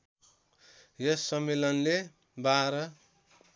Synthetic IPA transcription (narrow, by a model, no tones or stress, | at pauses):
jʌsːʌmːelʌnle | baɾʌ